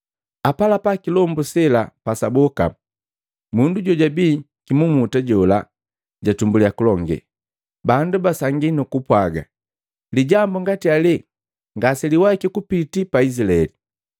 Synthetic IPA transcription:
apalapakilɔmbusɛlapasabɔka̰ | munduɟɔɟabiː | kimumutaɟɔla | ɟatumbuliakulɔŋɡɛ̰ | bandubasaŋɡinukupwaɡa̰ | liɟambuŋɡatiali | ŋɡasɛliwakikupitipaisilaɛli

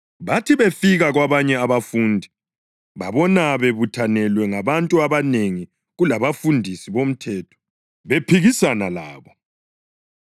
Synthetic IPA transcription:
βatʰiβefiɣaɣwaβaɲɛaβafuːndʱi | βa̰βɔnaβeβutʰanɛlwɛŋaβantʼuaβaneŋi | ɣulaβafundʱisiβom̩tʰɛːtʰɔ̥ | βepʰiɣisanala̰ːβɔ

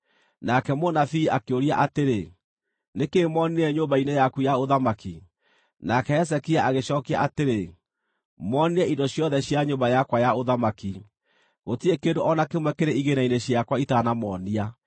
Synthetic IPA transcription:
nakɛmonafiakeoɾiaʔateɾe | nekemɔniɛɲoːmbainɛjakujaoðamaki | nakɛɛs̬ɛkiaʔaɣeɕɔːkia̰ateɾe | mɔnɛidɔɕjɔðɛɕjaɲoːbajakwajaoðamaki | ɣotiekendoʔɔnakemwɛkeɾeiɣenaineɕiakwaitaːnamɔːnia

